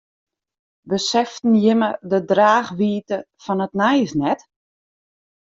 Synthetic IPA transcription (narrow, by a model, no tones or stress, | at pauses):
bəsɛftn̩jɪmədədraːxʋiːtə | fɔnətnɛjsnɛt